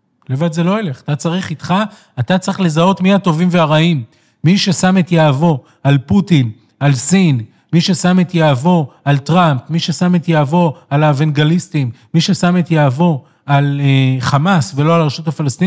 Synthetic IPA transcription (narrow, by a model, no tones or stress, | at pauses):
levad̪zelo̞ele̞χat̪at͡saʁiχit̪χaː | t̪at͡sʁiχle̞zao̞t̪mihato̞vimveaʁaimː | iʃe̞samet̪jaːvo̞ | alputin | alsin | miʃe̞samet̪jaːvo̞altʁampmiʃe̞same̞t̪jaːvo̞alavenɡalist̪imːiʃe̞sametjaːvo̞ | alχamasve̞loalʁeʃutafalast̪i